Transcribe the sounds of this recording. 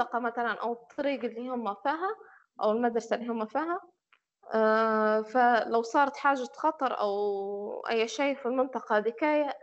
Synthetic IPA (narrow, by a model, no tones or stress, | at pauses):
ɑqɑmæt̪ælænʔæ̰wɪt̪ˤːɑɾiːɡɪlːiːhʊmːæfiːɦæ | ʔæwɪlmad̪ɾˤɑsalːiːhʊmːæfiːɦæ | fælawsˤɑːɾˤɑt̪ħaːʒaxɑt̪ˤɑɾˤʔa̰wʔæ̰jːʃajfilmɪnt̪ˤɑqɑd̪ɪkaːja